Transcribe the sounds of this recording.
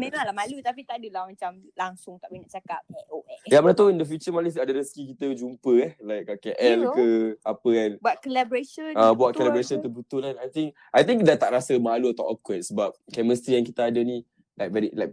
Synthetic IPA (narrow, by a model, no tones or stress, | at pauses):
mẽmaŋlahmalut̪apit̪adəlahmat͡ʃam | laŋsʊŋt̪aʔminaʔt͡ʃakap̚aoajamənat̪aindəfjut͡ʃəmaləsadaɾəskikit̪əd͡ʒumpəɛhlajk̚akɛʔɛlkəapəɛnbuat̪̚kəlabɾeʃənabuat̪̚kəlabɾeʃənt̪əbut̪ʊlanajt̪ĩŋk | ʔajt̪ĩŋkdat̪aʔɾasəmaluət̪aʔɔfkwɛt̪̚səbap̚kɛməst̪ɾijaŋkit̪aadənĩ | lajk̚vɛɾilajk̚